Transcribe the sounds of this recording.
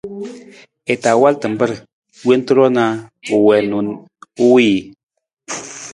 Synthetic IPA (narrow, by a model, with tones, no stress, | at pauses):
ɛ˨ta˨wa˦ltɨ˨m˨˦bə˦ɾ | we˦n˦tu˦ɾɔ˦na˦u˨wɛ˨nu˨n | u˦wi˦˨